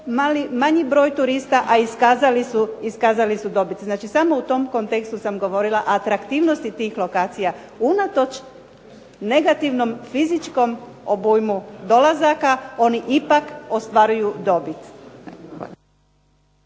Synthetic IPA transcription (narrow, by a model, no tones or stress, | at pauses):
malimaɲibɾo̞ːjt̪uɾist̪aʔaiskaːzalisuiskaːzalisud̪obit̪znaːt͡ʃisamo̞ut̪o̞mko̞nt̪ekst̪usamɡo̞ʋo̞ɾilˠaʔat̪ɾakt̪iːʋno̞st̪it̪iːxlo̞kaːt̪sija | unat̪o̞t͡ʃ | ne̞ɡat̪iʋno̞mfizit͡ʃko̞m | obujmud̪o̞lazakao̞niʔipakost̪ʋaɾujud̪o̞bit̪